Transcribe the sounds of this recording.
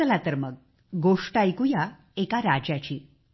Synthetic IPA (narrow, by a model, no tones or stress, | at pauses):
əlat̪əɾməɡ̚ | ɡoʂʈajkuja | ekaɾad͡ʑjat͡ɕiː